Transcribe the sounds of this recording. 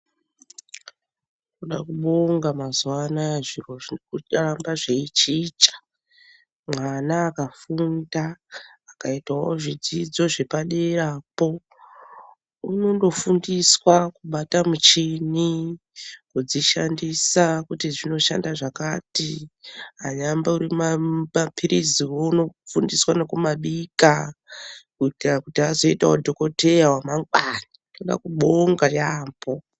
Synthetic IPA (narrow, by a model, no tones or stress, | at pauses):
kuɗa̰kuɓoŋɡamazwanaʐiroikuaɾambaʐeit͡ʃit͡ʃḁ | mwanaːkafundaːkaitawo̰ʐid͡zid͡zo̞ʐe̞paɗeɾapo̞ | uno̞ndo̞fundiswakuɓatamut͡ʃini | kud͡ziʃandisakutiʐino̞ʃa̰ndaʐakatiɦaɲambauɾimamapʰiɾiziwouno̞fundiswanokumaɓika | kuitirakutiɦazo̞itaodʱoko̞te̞jawamaŋɡwanatoɗa̰kuɓoŋɡajaːmbo